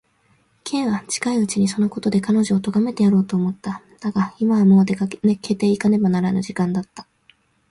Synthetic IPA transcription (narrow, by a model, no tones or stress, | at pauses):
kʰẽ̞ɰ̃βat͡ɕi̥kaiɯ̟t͡ɕiɲ̟iso̞no̞ko̞t̪o̞d̪e̞kano̞ʑo̞ːt̪o̞ɡame̞t̪e̞jaɾo̞ːt̪o̞ːmo̞t̪ːa | d̪̥aɡaimaβamo̞ːd̪ekane̞kʰe̞t̪e̞ːikane̞banaɾanoʑikãnd̪at̪ːḁ